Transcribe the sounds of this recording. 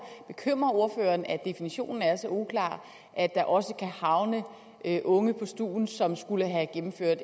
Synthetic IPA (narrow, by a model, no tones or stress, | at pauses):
b̥e̝kʰøm̰ʁɐo̝ɐfø̰ːɐːnæd̥e̝finiɕo̝̰ːnn̩æɐsɒ̽ukʰlɑ̰̈ː | ʔæd̥ɑ̈ʔɒ̽səkʰæhɑ̈ʊnə | ʔøʔɔ̽ŋəpʰɒ̽sd̥ṵːn̩sɒ̽msɡ̥uləɦæɡ̥emm̩fø̰ɐ̰d̥